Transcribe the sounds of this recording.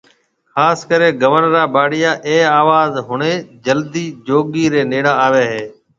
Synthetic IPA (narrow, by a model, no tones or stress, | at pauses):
xaːskəɾeːɡəʋənɾaːbaːɽɪjaːʔeːaːʋaːzɦʊɳẽːd͡ʒəld̪iːd͡ʒoːɠiːɾeːneːɽãːaːʋeːɦeː